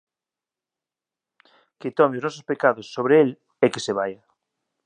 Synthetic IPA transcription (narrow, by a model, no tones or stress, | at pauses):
ket̪ɔmeoznɔs̬ospekaðosːoβɾeel | ekeseβ̞aja